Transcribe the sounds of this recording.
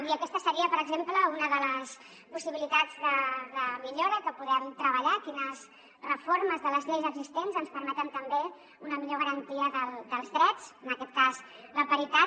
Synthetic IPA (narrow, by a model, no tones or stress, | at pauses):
iəkɛst̪əsəɾiəpəɾəɡzempləunəðələs | pusiβilit̪ad͡zðəðəmiʎoɾəkəpuðɛmt̪ɾəβəʎakinəs | rəfoɾməzðələzʎejzəɡzist̪enzənspəɾmɛt̪ənt̪əmbe | unəmiʎoɣəɾənt̪iəðəlˠd̪əlˠzðɾɛd͡zənəkɛt̪̚kaz | ləpəɾit̪a